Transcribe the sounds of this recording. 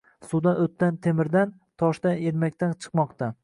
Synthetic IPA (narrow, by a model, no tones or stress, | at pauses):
sud̪anot̪ʰːant̪ʰemɪɾd̪an | t̪ʰɒʃd̪aneɾmakʲt̪ant͡ʃʰɨ̥qmɒqt̪ʰa